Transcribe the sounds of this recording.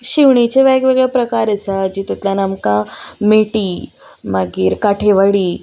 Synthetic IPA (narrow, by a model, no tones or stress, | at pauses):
ɕiʋɳit͡ɕeʋaɡʋeɡɭepɾəkaɾəsad͡ʑiːt̪ut̪ljanamkãmeʈiː | maɡiːɾkaʈʰeʋaɽiː